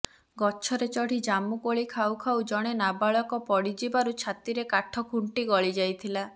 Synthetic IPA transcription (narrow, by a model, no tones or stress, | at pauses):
ɡɔt͡ʃʰɔɾet͡ʃɔɽ̤id͡ʒamukoɭikʰawkʰawd͡ʒɔɽ̃enabaɭɔkɔpɔɽid͡ʒibaɾut͡ʃʰat̪iɾekaʈʰɔkʰuɳʈiɡɔɭid͡ʒajt̪ʰila